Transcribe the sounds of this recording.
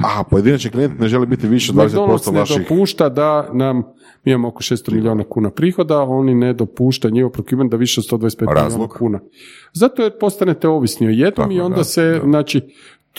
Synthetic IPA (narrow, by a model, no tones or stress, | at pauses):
apojed̪inat͡ʃiklijent̪neʒelibit̪iʋiʃeod̪ad̪esonst̪oneadoipuːʃt̪ad̪anam | miimamookoʃest̪omiʎʲio̞ːnakuːnapɾiːxo̞d̪ao̞nined̪o̞puːʃt̪auɲixopɾokjʲubend̪aʋiʃeod̪st̪od̪aespeɾaḭzoloakuːna | zat̪oeɾpo̞st̪anet̪e̞o̞ʋisnioje̞d̪nomio̞nd̪aseznaːt͡ʃi